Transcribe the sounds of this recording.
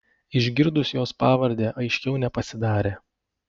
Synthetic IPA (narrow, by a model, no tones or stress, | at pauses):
ɪʒʲɡʲɪɾd̪ʊsʲjoːspɑːʋɐɾʲd̪ʲeːʔɐɪʃʲkʲɛʊnʲɛpɐsʲɪd̪ɑːɾʲeː